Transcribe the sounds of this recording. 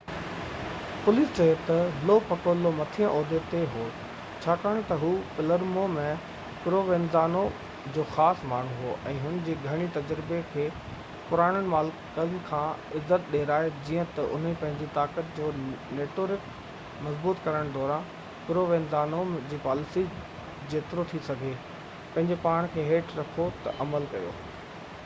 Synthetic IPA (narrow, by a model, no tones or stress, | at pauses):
pʊliːst͡ɕɐjot̪ɐlopɐkoːlomɐt̪ʰijãʔoːd̪et̪eɦoː | t͡ɕʰaːkaːɽ̃et̪ɐɦuːpɪləɾmomẽ | kʊɾoʋẽːnd̪aːno | d͡ʑoːxaːsmaːɳ̤uɦuoʔɛ̃ːɦʊnd͡ʑeːɡʱɐɽ̃it̪ɐd͡ʑɾɪbekʰeː | pʊɾaːɽ̃ənɪ̆maːl | kəln̆kʰãːɪzːət̪̚ɗeːɾaːed͡ʑiːə̃t̪ɐʔʊ̰n̤əpɐ̃ɦɪ̃ɲd͡ʑit̪aːkət̪̚d͡ʑoːneːʈoːɾɪk | mɐzbuːt̪kɐɾəɽ̃d̪ɔːɾã | kɪɾoʋẽːnd̪aːnod͡ʑiːpaːlɪsi | d͡ʑeːt̪ɪɾot̪ʰisɐɡʱe | pɐ̃ɦɪ̃ɲd͡ʑepaːɽ̃kʰeːɦeːʈʰɾɐkʰot̪ɐʔɐməlkɐjo̰ː